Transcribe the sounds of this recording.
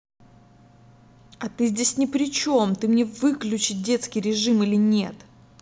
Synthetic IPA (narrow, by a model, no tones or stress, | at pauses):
ɐt̪ɨzʲdʲesʲnʲɪpɾʲɪt͡ɕo̞mt̪ɨmnʲe̞vɨklʲʉt͡ɕɪt̪̚ʲdʲe̞t̪skʲɪjɾʲɪʐɨmilʲɪnʲe̞t̪